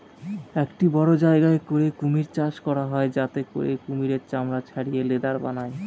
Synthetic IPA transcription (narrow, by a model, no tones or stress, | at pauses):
ekʈibɔɽod͡ʑaeɡaekoɾekumiɾt͡ɕaʃkɔɾaɦɔed͡ʑat̪eko̰ɾḛkumiɾeɾt͡ɕamɾat͡ɕʰaɽijeled̪aɾba̰nae